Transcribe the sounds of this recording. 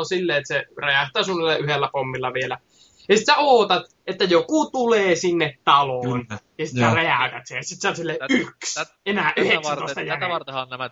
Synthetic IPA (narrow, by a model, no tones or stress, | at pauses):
osilːeet̪sereæht̪ˑæːsunːelːɑʔyhelːæpomːilːɑʋielæ | jɑsit̪sæoːt̪ɑt̪ | ʔet̪ːæjokut̪uleːsinːet̪t̪ɑlonjɑsit̪særeæˑøt̪æt̪sesit̪seɑt̪silːeyks | enæʔyhekst̪oˑet̪ɑjækː